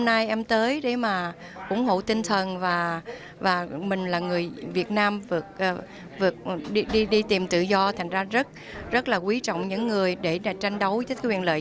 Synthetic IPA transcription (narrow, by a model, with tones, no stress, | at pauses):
mna˧jʔɛ˧mt̪əː˨˦jɗe˧˩maː˨˩ | ʔʊ̰˧˥ŋ͡mɦo̰˧˨t̪ï˧ŋ̟t̪ʰə˨˩nvaː˨˩ | vaː˨˩mï˨˩ŋ̟laː˨˩ŋɨ˨˩əjvi˨˩ət̚naː˧mvɨ˨˩ək̚ʔ | vɨ˨˩ək̚ɗi˧ɗi˧ɗi˧t̪i˨˩mt̪ɨ̰˧˨zɔ˧t̪ʰa˨˩ŋ̟zaː˧zə˦˥t̚ | zə˦˥t̚laː˨˩kwi˨˦t͡ɕɔ̰˧˨wŋ͡mɲɨ̰˧˥ŋːɨ˨˩əjɗe˧˩ɗa˨˩t͡ɕa˧jŋ̟ɗə˨˦wəː˨˦˨wḭ˧˨ənlə̰ː˧˨